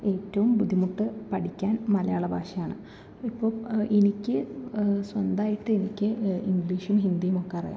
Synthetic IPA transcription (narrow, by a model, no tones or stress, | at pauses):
e̞ːtːɐʋumbud̪ʱimuʈːɨpɐʈʰikʲːaːnmɐlɐjaːɭɐbʱaːʂɐjaːɳɨ | ipːo̞ːʔenikʲːɨswɐnd̪aːjiʈːɨenikʲːɨiŋɡliːʂumɦind̪ijumo̞kːeɐrḭja̰ː